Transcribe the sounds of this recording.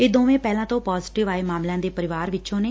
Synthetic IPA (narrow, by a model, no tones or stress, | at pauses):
eːd̪oːʋẽːpɛːlãːt̪õːpɔːzɪʈɪʋaːeːmaːmlãːd̪eːpəɾɪʋaːɾʋɪt͡ʃõːneː